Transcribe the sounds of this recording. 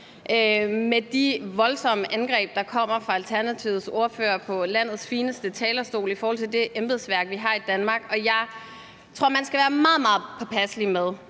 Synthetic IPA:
ʔømed̥iʋɒ̽lsɒ̽məʔænɡ̥ʁɛ̰ːb̥̚d̥ɑ̈kʰɒ̽m̰ɐfʁɑ̈ælt͡sʰæɐnæt͡sʰiʊðˠso̝ɐfø̰ːɐpʰɒ̽læn̰ð̞̩ˠsfiːnəsd̥ət͡sʰɛːlɐsd̥o̝̰ːlifɒːhɒ̽lt͡sʰe̝ld̥e̝ʔemb̥eðˠsʋæɐɡ̥ʋiɦɑ̈id̥ænmɑ̈ːɡ̥ɒ̽jɑ̈ɪ | t͡sʰʁo̝ɐ̰mænsɡ̥æʋæːɐmɑ̈ːð̩ˠmɑ̈ːð̞̩ˠpʰɒ̽pʰæsəlimeð̞ˠ

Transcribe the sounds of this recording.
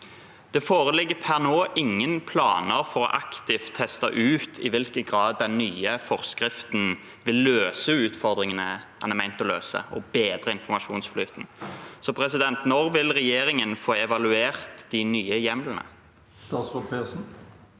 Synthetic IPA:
d̪̥ɛfoːʁəlɪɡːəpʰænoːʔɪŋːənpʰlɑ̰ːnəʁfɔʁɔ̰ʔɑkt̪ɪft̪ʰːɛst̪ɑ̰ʔʉːt̪ʰɪ̰ʋɪlkəɡʁɑːd̪ːɛnːyːəfɔʁskʁɪft̪n | ʋɪlːøːsəʉːt̪fɔʁd̪ʁɪŋənəʔæ̰nɛmæɪnt̪ɔlø̰ːsə̰ɔ̰beːd̪ʁəɪnfɔmɑʃuːnsflyːt̪n̩sɔpʰɾɛsɪd̪ɛnt̪nɔʁʋɪlʁɛjeːɾɪŋənfoːɛʋɑlʉeːʁt̪d̪̥ɪnyːəjɛmlnə̰ | st̪ɑːt̪sɔpeːsn̩

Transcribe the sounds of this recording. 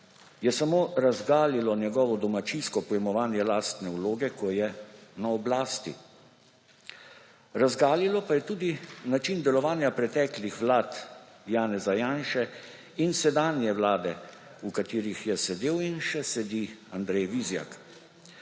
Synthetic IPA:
jɛsamoːɾazɡaːlilɔnjɛɡɔʋɔd̪ɔmat͡ʃinskɔpɔjɛmɔʋaːnjɛlaːst̪nɛuloːɡɛkʰɔjɛnaɔblaːst̪ḭ | ɾazɡaːlilɔpajɛt̪uːd̪inat͡ʃind̪ɛlɔʋaːnjapɾɛt̪ɛːklixʋlaːt̪jaːnɛzajaːnʃɛ | insɛd̪aːnjɛʋlaːd̪ɛ | ukat̪iːɾixjɛsɛd̪eːwinʃɛsɛd̪iand̪ɾɛjʋizja̰k

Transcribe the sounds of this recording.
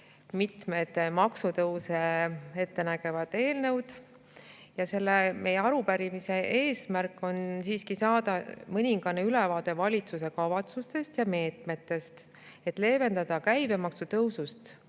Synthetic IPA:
mit̪met̪mɑksut̪ɤwsee̞t̪ːe̞næɡ̥e̞vɑd̪̥e̞ːlnɤ̞wd̪̥ | jɑse̞lːe̞mʔe̞jeɑɾupæɾimise̞ʔe̞ːsmærkːˑo̞nsiːskisɑːd̪̥ɑmɤnʲiŋɡ̥ɑneyle̞vɑːd̪̥e̞vɑlʲit̪suse̞kɑvɑt̪sust̪e̞st̪jɑme̞ːt̪me̞t̪ːˑe̞st̪ | e̞t̪ːˑle̞ːve̞nd̪ɑd̪̥ɑkæjbe̞mɑksut̪ɤwsust̪

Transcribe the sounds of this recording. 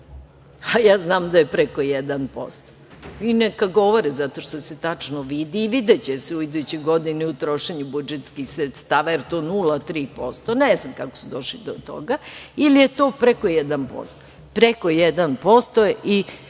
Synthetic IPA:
ajaːznaːmd̪ajepɾeko̞jɛd̪anpo̰st̪ | inekaɡo̞ʋoɾezat̪o̞ʃt̪o̞set̪at͡ʂnoʋid̪iːʋid̪et͡ɕeseuid̪ujt͡ɕeɡo̞d̪inɛut̪ɾo̞ʃeɲubud͡ʒet̪skixsɾet̪st̪aːʋajeɾt̪oːnulat̪ɾiːpo̞st̪oneznamkako̥sud̪o̞ʃlid̪ot̪o̰ɡailijet̪oːpɾekojɛd̪anpo̰st̪ | pɾekojed̪anpo̞st̪oʔi

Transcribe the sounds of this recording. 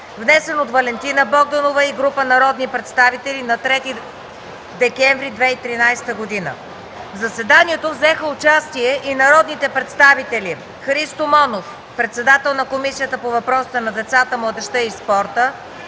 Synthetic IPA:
vnɛsɛnot̪vɐlɛnt̪inəbɔɡ̚d̪ənovəiɡɾupənɐɾɔd̪nipɾɛt̪st̪avit̪ɛlinɐt̪ɾɛt̪i | d̪ɛkɛɱvɾid̪vɛit̪ɾinajst̪əɡod̪inə̰ | vzɐsɛd̪aniɛt̪ovzɛxəot͡ʃast̪iɛʔinɐɾɔd̪nit̪ɛpɾɛt̪st̪avit̪ɛli | xɾist̪omɔnof | pɾɛt̪sɛd̪at̪ɛlˠnɐkomisijət̪əpovɐpɾɔst̪ənɐd̪ɛt̪sat̪əmlˠəd̪ɛʃt̪əispɔɾt̪ə

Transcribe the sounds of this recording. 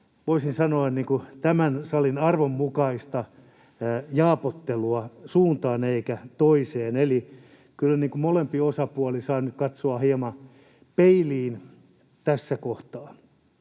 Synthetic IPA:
ʋoisinsɑnoɑnniːŋkut̪æmænsɑlinɑrʋomːukɑist̪ɑ | jɑːpot̪ːeluɑsuːnt̪ɑːneikæt̪oiseːneli | kylːæniːŋkumolempiosɑpuɑlisɑːnyt̪kɑt̪soɑhiɑmɑ | peiliːn | t̪æsːækoht̪ɑː

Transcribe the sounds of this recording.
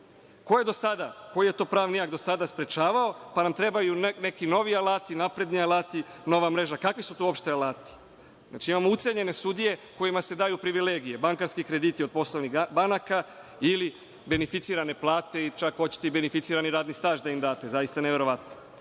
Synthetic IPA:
ko̞je̞d̪o̞sad̪ako̞jijet̪o̞ːpɾaːʋnijaɡd̪osad̪aspɾe̞t͡ʃaːʋao̞panamt̪ɾe̞bajune̞kino̞ʋialˠaːt̪inapɾe̞d̪nialaːt̪i | no̞ʋamɾe̞ʒakakʋisut̪oo̞pʃt̪ealaːt̪i̥ | zna̰ːt͡ʃiimamout̪se̞ɲe̞ne̞sud̪ije̞ko̞jimase̞d̪aːjupɾiʋileɡije̞baŋkaɾskikɾe̞d̪it̪iod̪̚po̞slˠoʋnibanaka | ili | be̞nefit̪siːɾane̞plˠaːt̪e̞it͡ʃakxo̞t͡ɕi̥t̪eibe̞nefit̪siːɾaniɾaːd̪nist̪aːʒd̪aimd̪aːt̪e̞zajist̪aneʋe̞ɾo̞ʋat̪no

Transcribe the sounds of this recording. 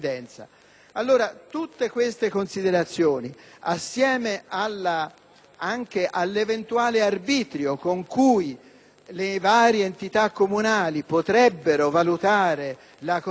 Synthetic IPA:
d̪ɛnt̪sa̰ | alːoːɾat̪ut̪ːekwest̪ekonsid̪eɾat̪sːjoːniasːjɛːmealːa | aŋk̟eʔalːevent̪uaːlearbiːt̪ɾjokoŋkuj | levaːɾjeːnt̪it̪akːomunaːlipot̪ɾɛbːeɾovalut̪aːɾe | lak

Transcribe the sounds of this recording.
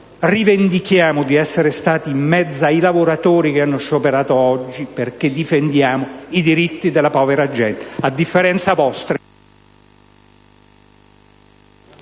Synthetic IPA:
rivend̪ikjaːmʊd̪iɛsːeɾest̪aːt̪iːmːɛd̪zːaailavoɾat̪oːɾik̟eanːoʃːopeɾaːt̪oɔd͡ʒːiperk̟ed̪ifend̪jaːmoid̪iɾit̪ːid̪elːapɔːveɾad͡ʒːɛnt̪ad̪ːifːeɾɛnt̪savɔst̪ɾe

